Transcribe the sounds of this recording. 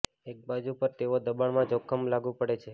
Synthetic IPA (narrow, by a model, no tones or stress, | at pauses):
ek̚bad͡ʒupəɾt̪eʋod̪əbaɳmãd͡ʒokʰəmlaɡũpəɽet͡ʃʰe